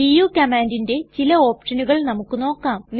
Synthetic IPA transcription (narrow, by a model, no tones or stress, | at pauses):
ijuːkɐmaːndinde̞t͡ɕilɐo̞ːpʂɐnuɣɐɭnɐmukːɨno̞ːkːaːmː